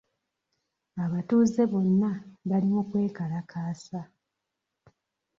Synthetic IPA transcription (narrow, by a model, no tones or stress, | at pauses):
aβatuːze̞βo̞nːaβalimokwe̞ːkalakʰaːsa